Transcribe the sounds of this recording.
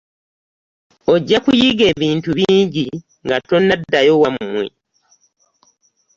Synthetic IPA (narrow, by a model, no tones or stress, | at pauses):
o̞ɟːakujiɡe̞ːβiːntuβiːɲɟi | ŋɡato̞nːadːajo̞wamumwe̞̰